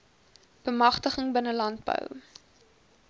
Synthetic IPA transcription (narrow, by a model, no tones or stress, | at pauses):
b̥əmɐχtəχəŋbənəlɐnd̚bə̰w